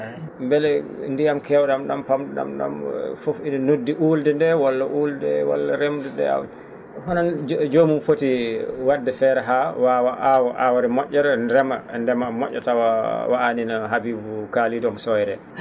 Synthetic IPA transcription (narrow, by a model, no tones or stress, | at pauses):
mbɛlɛndijamkɛwɗamɗampamɗɗa̰mɗa̰mfofininodːiʔuːldɛndɛwalːaʔuːldɛwa̰lːaɾemdɛndɛ̰a̰w | hɔnand͡ʒomumfotiwadːɛfɛɾɛɦawawaʔawaʔa̰waɾɛmɔʔːɔɾɛɾɛma̰ndɛmamɔʔʲːɔ̰tawawaʔaninaɦabiːbukalidɔmsɔjɾɛ̰